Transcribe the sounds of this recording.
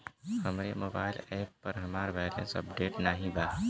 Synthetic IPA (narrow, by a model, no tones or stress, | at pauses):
həmɾemoːba̰ːɪlɛːpːəɾɦəmaːɾbɛːlə̰̃nsə̰pɖeːʈnaɦĩbaː